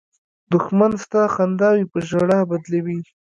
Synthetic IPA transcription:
d̪ʊxmanst̪axand̪ɑwipəʒaɽabad̪lawi

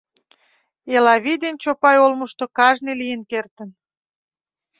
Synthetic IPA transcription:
elɑβid̪ent͡ɕopɑjolməʃt̪okɑʒnilijənkert̪ən

